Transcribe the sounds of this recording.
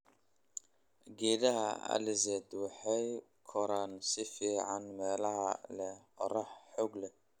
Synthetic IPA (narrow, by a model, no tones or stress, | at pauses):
ɡɛːðɐɦɐ̰a̰lɪsɛd̪ħɛj | kʰɔɾansɪfiːʕanmɛːlɐɦɐ̰lɛɔ̰ɾɐħħɔɡlɛ